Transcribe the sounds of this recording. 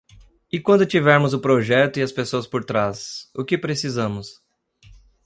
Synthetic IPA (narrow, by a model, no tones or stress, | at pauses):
ɪkwɐ̃nd̪ʊt͡ʃivɛɾmʊzʊpɾoʒɛt̪ʊɪɐspesoɐspoɾt̪ɾasʊkɪpɾesizɐ̃mʊs